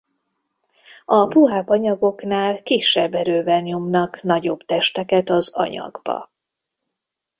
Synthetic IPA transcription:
ɒpuɦaːbɒɲɒɡo̞knaːlkiʃːɛbːɛɾøːvɛnijumnɒknɒɟo̞bt̪ɛʃt̪ɛkɛt̪ɒzɒ̰ɲɒ̰ɡbɒ̰

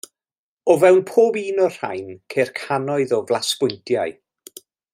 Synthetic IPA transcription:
ɔvɛwnpʰoːbiːnɔr̥a̰jnkʰejrkʰanɔɨðɔvlˠaskʊɨntʰjaɨ

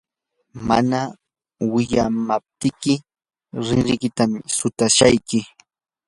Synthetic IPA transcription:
ma̰na | wɪʎamap̚t̪ɪkɪ | ɾɪnɾɪkɪt̪amsʊt̪aʃajkɪ

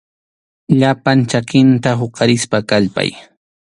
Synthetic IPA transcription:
ʎapant͡ʃakɪnt̪aɦoqɑɾɪspakaʎpa̰j

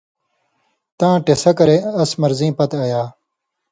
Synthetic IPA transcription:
t̪ãːʈesɐkɐɾeːɐsmɐɾzĩːpɐt̪ɐjaː

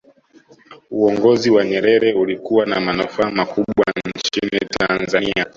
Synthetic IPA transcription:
uɔŋɡɔziwaɲɛɾɛɾɛulikuwanamanufaːmakuɓwannt͡ʃinitʰanzania

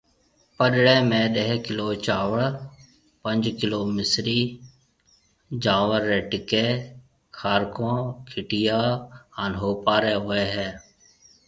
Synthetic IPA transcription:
pəɗɽeːmẽːɗ̪ɛɦkɪloːt͡ʃaːwəɽ | pə̃nd͡ʒkɪloːmɪsɾiː | d͡ʒãːʋəɾːeʈɪkeː | kʰaːɾkõːkʰɪʈɪjaːənɦoːpaːɾeːɦoeːɦɛː

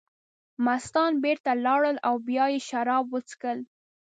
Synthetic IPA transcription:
mast̪ɑnbeɾt̪alɑɽəlawbjɑjeʃaɾɑbwət͡skəl

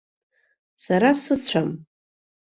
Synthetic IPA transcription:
saɾasɨt͡ɕʷʰam

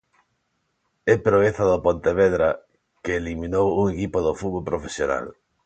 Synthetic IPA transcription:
ɛpɾoeθaðopont̪eβeðɾa | keːlimĩnowuŋekipoðofuðβolpɾofesjona̰l

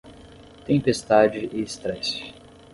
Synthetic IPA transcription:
t̪ẽpest̪ad͡ʒɪʔɪst̪ɾɛs

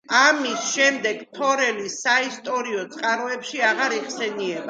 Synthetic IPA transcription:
amisʃɛmd̪ɛɡ̥p̪ʰɔɾɛlisaist̪ʼɔɾiɔt̪sʼqʼaɾɔɛpʃiaʁaɾiχsɛniɛba

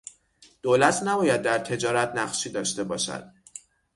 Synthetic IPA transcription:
d̪̥oːlæt̪ʰnæbɒːjæd̪̚ːæɾt̪ʰe̞d͡ʒɒːɾæt̪ʰnæɢʃiːd̪ɒːʃt̪e̞bɒːʃæ̰d̪̥̚

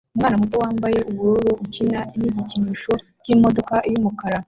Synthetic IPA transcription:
umŋaːnamuto̞waːmbaje̞ʔuβuɾuɾuucinaimiɟiciniːʃo̞ | cimo̞do̞kaʔijumukaɾa

